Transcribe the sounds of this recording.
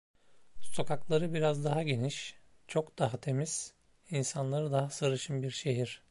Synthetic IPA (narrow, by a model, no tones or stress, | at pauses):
so̞kʰaklˠaɾɯbiɾazd̪aɦaɟe̞niʃ | t͡ʃʰo̞kd̪aɦat̪ʰe̞miz̥ | insanlˠaɾɯd̪aɦasaɾɯʃɯmbiɾʃe̞ɦiɾ̥